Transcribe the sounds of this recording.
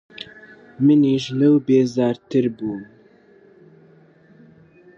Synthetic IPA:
mɨniːʒlɛwbeːzaːɾt̪ʰɨɾbuːn

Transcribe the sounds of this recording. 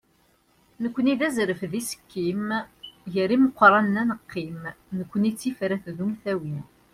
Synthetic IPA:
nəkʷːəniðæzɾəfðisə̥kːimjəɾːiməqʷːɾˤɑnːænəqːimnəkʷːənit͡sːifɾæθðumθæwin

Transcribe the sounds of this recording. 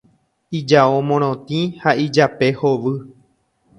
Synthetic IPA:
id͡ʒaomõɾ̃õt̪ĩhaʔid͡ʒape̞hoʋɨ

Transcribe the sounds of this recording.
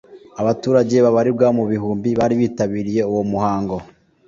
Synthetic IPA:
aβatuːɾaɟe̞βaβaɾibɡaːmuβiɦuːmbiβaːɾiβiːtaβiːɾije̞uwo̞muhaːŋɡo̞

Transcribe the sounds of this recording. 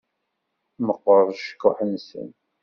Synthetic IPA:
məqːəɾˤʃə̥kːʊħənsə̰n

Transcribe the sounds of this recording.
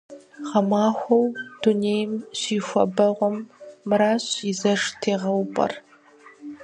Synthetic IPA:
ʁɐmaːxʷɔwd̥uneːjmɕiːxʷɔ̰bɐʁʷɔmːɨɾaːɕizɐʂtʰeːʁɐwpʼɐ̰r

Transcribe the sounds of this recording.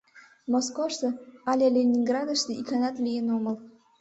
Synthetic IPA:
moskoʃt̪ɤ̆ɑlʲelʲenʲiŋɡrɑd̪ə̆ʃt̪əʔikɑnɑt̪lʲijenomə̆l

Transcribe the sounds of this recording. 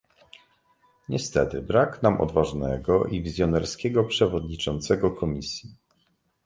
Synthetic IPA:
ɲɛst̪ɛt̪ɘbɾaknamʔɔ̰d̪vaʐnɛɡɔʔivʲizʲjɔnɛɾskʲɛɡɔpʂɛvɔd̪ɲit͡ʂɔnt̪sɛɡɔkʰɔmʲisʲji

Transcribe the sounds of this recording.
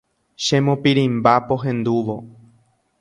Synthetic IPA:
ʃẽ̞mõpiɾĩmbapo̞ɦẽ̞nd̪uʋo̞

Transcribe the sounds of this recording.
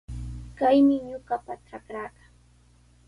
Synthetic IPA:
kajmɪɲʊɢapaʈ͡ʂakɾaːɢa

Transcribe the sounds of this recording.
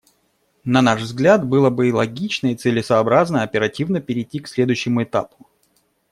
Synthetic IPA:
nɐnaʂvzɡlʲat̪bɨlˠəbɨilˠɐɡʲit͡ɕnəit̪sɨlʲɪsɐːbɾaznəɐpʲɪɾɐtʲivnəpʲɪɾʲɪtʲːiksʲlʲed̪ʊjɕːɪmʊɪt̪a̰pʊ̥

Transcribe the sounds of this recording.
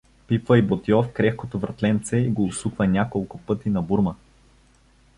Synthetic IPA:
pipvəibot̪jɔfkɾɛxkot̪ovɾɐt̪lɛnt̪sɛiɡoːsukvɐnʲakolˠkʊpɤt̪inɐbuɾmə

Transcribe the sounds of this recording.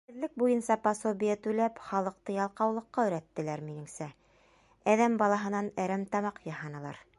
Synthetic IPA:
ɘ̆ðlɘk̚bujɤnsɑpɑsobʲijɑt̪ʉlæpχɑlˠɤ̆q̚t̪ɤjɑlˠqɑwlˠɤ̆qːɑɵ̆jɾæt̪ːɘ̆læɾminɘ̆ŋsæ | æðæmbɑlˠɑɦɤ̆nɑnæɾæmt̪ɑmɑqjɑhɑnɤ̆lˠɑ̰ɾ

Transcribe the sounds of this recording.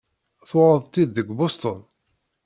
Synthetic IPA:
θɾˤəðˤt̪ːid̪ːəɡʷbost̪on

